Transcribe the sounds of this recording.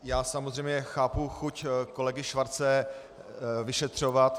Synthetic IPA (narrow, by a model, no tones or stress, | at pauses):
jaːsamozrɛjmɲɛxaːpuxucko̞lɛɡɪʃvaɾt͡sɛ | vɪʃɛt̪r̝̥ovat̪